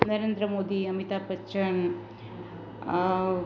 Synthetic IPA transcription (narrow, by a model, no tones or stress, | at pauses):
nɐɾeːnd̪ɾɐmoːd̪iɐmit̪aːpɐt͡ʃɐɳ